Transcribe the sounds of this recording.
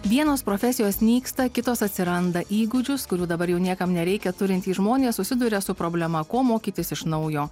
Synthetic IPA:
ʋʲiɛnoːspɾoːfʲɛsʲɪjoːsnʲiːkst̪ɐkʲɪt̪oːsɐt̪ʲsʲɪɾɐnd̪ɐʔiːɡʊd͡ʒʲʊskʊɾʲuːd̪ɐbɐɾjɛʊnʲiɛkɐmnʲɛɾʲɛɪkʲɛt̪ʊɾʲɪnʲt̪ʲiːʒmoːnʲeːssʊsʲɪd̪ʊɾʲɛsʊpɾoːbʲlʲɛmɐkoːmoːkʲiːt̪ʲɪsɪʃnɐʊjoː

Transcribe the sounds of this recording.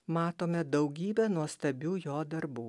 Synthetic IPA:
mɑːt̪oːmʲɛd̪ɐʊɡʲiːbʲɛnuɔst̪ɐbʲuːjoːd̪ɐɾbuː

